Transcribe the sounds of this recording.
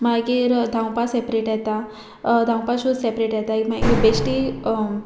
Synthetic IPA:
maɡiɾd̪ʱãw̃pasepɾeʈjɛt̪a | d̪ʱãw̃paɕud̪sepɾeʈjɛt̪amaibesʈi

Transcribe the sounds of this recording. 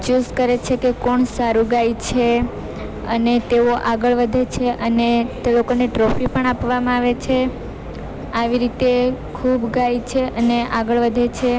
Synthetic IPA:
t͡ʃuskəɾet͡ʃʰekekoɳsaɾũɡajt͡ʃʰe | ə̰net̪eoʔaɡəɭʋəd̪ʱet͡ʃʰeʔənet̪elokoneʈɾofipəɳapʋamãaʋet͡ʃʰe | aʋiɾit̪ekʰubɡajt͡ʃʰeʔəneʔaɡəɭʋəd̪ʱet͡ʃʰe

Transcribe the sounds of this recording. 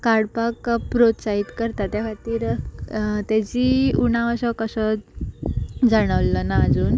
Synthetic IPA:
kaɽpakpɾot̪sait̪kəɾt̪at̪jaʋat̪iːɾ | t̪ɛd͡ʑiːuñãʋəsəkəsə | d͡zaɽ̃əʋlənaːd͡zuːn

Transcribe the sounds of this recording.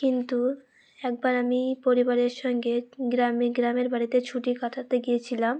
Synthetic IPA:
kint̪u | ɛk̚baɾamipoɾibaɾeɾʃɔŋɡeɡɾameɡɾameɾbaɽit̪et͡ɕʰuʈikaʈʰat̪eɡijet͡ɕʰilam

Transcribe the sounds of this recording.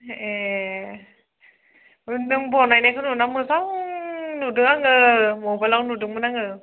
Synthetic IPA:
e | ɯndɯŋbɔnajnajkʰɯnunamɯsawnudɯŋaŋɯmobalawnudɯŋmɯnaŋɯ

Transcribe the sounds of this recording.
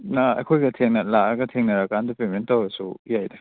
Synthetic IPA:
naɐ̰jkʰojɡɐtʰeŋnɐlaɐɡɐtʰeŋnɐɾakandupementawɾɐsujajdɐ

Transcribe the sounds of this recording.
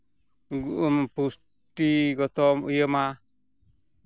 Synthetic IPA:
ɡuʔumpus | ʈiɡɔt̪ɔmṵjəma

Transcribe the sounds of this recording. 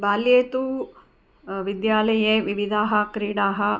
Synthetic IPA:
baːljeːt̪u | ʋid̪jaːlɐjeːʋiʋid̪ʱaːɦɐkɾiːɽaːɦɐ

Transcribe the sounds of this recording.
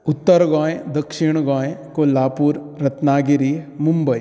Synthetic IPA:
ʊt̪ːəɾɡɔ̃ːjed̪ɐkʃɪɳ̃ɡɔ̃ːjekolaːpuːɾɾɐt̪naːɡiɾimumbəi

